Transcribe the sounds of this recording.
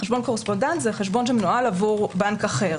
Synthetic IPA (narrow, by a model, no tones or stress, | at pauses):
χeʃbo̞nko̞ʁespo̞ndent̪zeχeʃbo̞nʃemnualavuʁbankaχeʁ